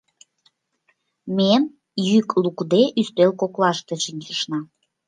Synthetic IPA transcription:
men | jyklukd̪eʔyst̪elkoklɑʃt̪et͡ɕinʲʃəʃnɑ

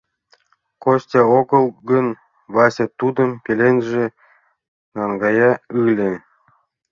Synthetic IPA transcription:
kosʲtʲɑokɤ̆lˠɡə̆n | βɑsʲet̪ud̪ɤ̆mpʲelʲenʒĕ | nɑŋɡɑjɑɯlʲĕ

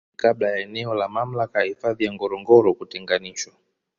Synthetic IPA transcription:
kablajaɛnɛɔlamam̩lakajahifaðijaŋɡɔɾɔŋɡɔɾɔkutɛŋɡaniʃwa

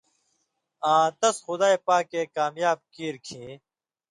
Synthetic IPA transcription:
ãːt̪ɐsxʊd̪aːepaːkːeːkaːmjaːb̚kiːɾkʰĩː

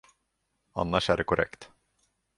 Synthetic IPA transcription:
a̰nːaʂæɖɛkʰʊɾʔɛ̰kt̪

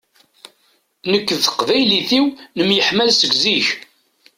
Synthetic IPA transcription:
nəkːəðθəqvæjliθiwnəmjəħmælsəɡziç

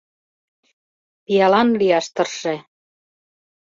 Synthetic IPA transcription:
pijɑlɑnlijɑʃt̪ɤ̆rʃĕ

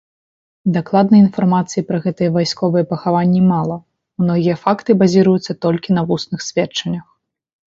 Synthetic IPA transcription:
d̪aklˠad̪̚nɐinfarmat̪sɨjipɾɐɣɛt̪ɨjɛvajskɔvɨjɛpɐxavanʲːimalˠɐ | mnɔɣʲijɐfakt̪ɨbazʲiɾɐjut̪sːɐt̪ɔlʲkʲinɐvusnɨxsʲvʲɛt͡ʂɐnʲːɐx

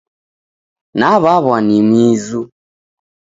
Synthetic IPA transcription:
naβaβanimizu

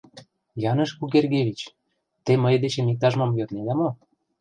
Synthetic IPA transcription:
jɑnə̆ʃkukerɡeβʲit͡ɕ | t̪eməjd̪et͡ɕĕmik̚t̪ɑʒmomjøt̪nelæmo

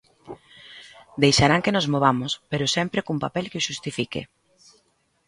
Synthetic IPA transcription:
d̪ejʃaɾaŋkenozmoβ̞amʊspeɾʊsɛmpɾekumpapɛlkeoʃust̪ifikḛ

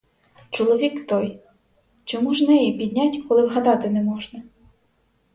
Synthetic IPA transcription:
t͡ʃɔlˠɔʋʲikt̪ɔj | t͡ʃɔmuʒnɛjipʲid̪ʲnʲatʲkɔlˠɪwɦɐd̪ɑt̪ɪnɛmɔʒnɐ

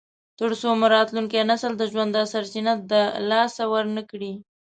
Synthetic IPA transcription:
t̪əɽsomaɾɑt̪luŋkjenasəld̪əʒwand̪asaɾsinat̪̚d̪əlɑsawəɾnəkɽi

